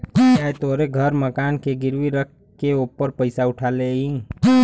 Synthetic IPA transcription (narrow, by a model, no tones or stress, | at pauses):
aːet̪oːɾeɡʱəɾməkaːnkeɡɪɾʋiɾək̚ʰ | keuːpəɾpəɪsaʊʈʰaːleɦĩː